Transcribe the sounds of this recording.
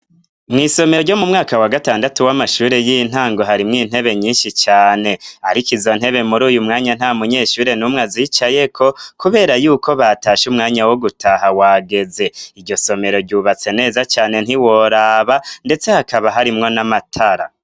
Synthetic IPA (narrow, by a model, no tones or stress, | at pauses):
mŋiːso̞me̞ɾɟo̞mumŋaːkawaɡataːndatuwamaʃuːɾe̞jin̥haːŋɡo̞ɦaɾimŋiːn̥he̞βe̞ɲiːnʃit͡ʃaːne̞haɾikizo̞n̥he̞βe̞muɾuːjumŋaːɲan̥haːmuɲe̞ːʃuːɾe̞numŋaziːt͡ʃaje̞kʰo̞kuβe̞ːɾajuːkʰo̞βataːʃumŋaːɲawo̞ɡutʰaɦawaːɡe̞ze̞iɾɟo̞so̞me̞ɾo̞ɾɟuːβat͡se̞ne̞ːzat͡ʃaːne̞n̥hiwo̞ɾaːβande̞t͡se̞hakaβaɦaɾimŋo̞namatʰaɾa̰